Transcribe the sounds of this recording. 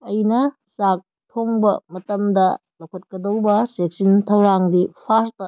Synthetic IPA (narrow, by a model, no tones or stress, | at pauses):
ɐjnɐ | sak̚ | tʰoŋbɐ̰mɐtɐmdɐlɐwkʰɐt̚kɐdowbɐsek̚sintʰɐwɾaŋdipʰastɐ